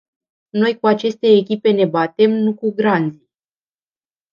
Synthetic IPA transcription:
no̞jkuat͡ʃe̞st̪e̞ːkʲipe̞ne̞bat̪e̞mnukuɡɾand̪zi

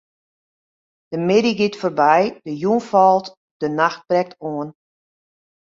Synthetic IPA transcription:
d̥əmɪdiɡɪtfoːrbɛjdəjunfɔlˠt | d̥ənaxt̚b̥rɛk̚tʰoən

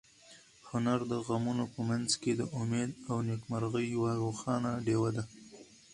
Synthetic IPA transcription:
hʊnaɾd̪əɣamunopəmanzked̪əʔʊmed̪awnekmaɾɣəjwaɾoxɑnaɖewad̪a

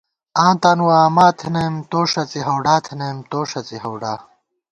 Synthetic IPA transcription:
ãːt̪aːnuwaːmaːt̪ʰinɐmt̪oːʂɐt͡siɦɐwɖaːt̪ʰinɐmt̪oːʂɐt͡siɦɐwɖaː

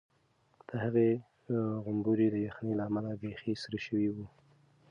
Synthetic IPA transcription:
d̪̥əhaɣe | ɣʊmbuɾid̪əjaxnilaːmalabexisɾaʃəwiwu

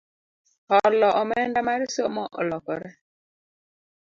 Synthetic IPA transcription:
hɔɾlɔʔɔmɛndamaɾisomɔʔɔlɔkɔɾɛ

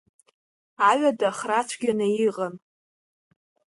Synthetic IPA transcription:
aɥadaχrat͡sʷʰɡʲanɨjiʁan

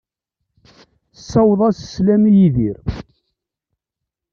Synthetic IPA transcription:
sːæwðˤæsə̥slæmjiðiɾ

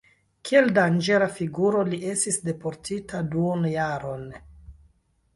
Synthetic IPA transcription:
kʰie̞ldand͡ʒe̞ɾafiɡuɾo̞liʔe̞stisde̞po̞ɾtʰitaduonjaɾo̞n

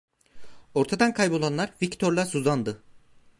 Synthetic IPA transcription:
o̞ɾt̪ʰad̪ankʰajbo̞lˠanlˠaɾvict̪ʰo̞ɾlˠasuzand̪ɯ

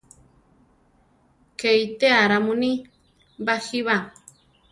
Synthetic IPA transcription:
kejt̪eaɾamuni | baxiβa

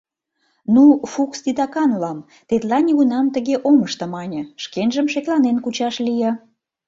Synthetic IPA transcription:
nufukst̪it̪ɑkɑnlɑm | t̪et̪lɑnʲiɣunɑmt̪əɣeʔoməʃt̪ə̆mɑnʲə̆ʃkenʒəmʃeklɑnenkut͡ɕɑʃlijɑ

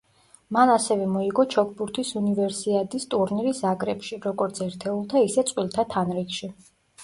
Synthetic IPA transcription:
manasɛvɛmɔiɡɔt͡ʃʰɔk̚ʰbuɾt̪ʰisunivɛɾsit̪ɛt̪ʼist̪ʼuɾniɾisakʼɾɛpʃiɾɔɡɔɾt̪sʰɛɾt̪ʰɛulˠt̪ʰaisɛt̪sʼwilˠt̪ʰat̪ʰanɾikʃi

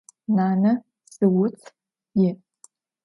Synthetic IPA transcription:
nanɨ | sɨwʊt͡sʰ | jɪ

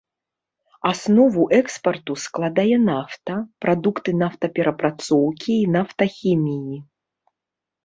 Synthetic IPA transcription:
asnɔvuʔɛkspɐrt̪usklˠad̪ajɛnaft̪ɐpɾad̪ukt̪ɨnaft̪ɐpʲɛɾʔɐpɾʔat̪sɔwkʲiːnaft̪ɐxʲimʲiji

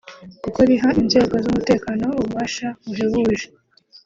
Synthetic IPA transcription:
kukoɾiɦaʔinze̞ːɡo̞zumute̞ːkaːno̞uβuβaːʃaβuɦiβuːʒe

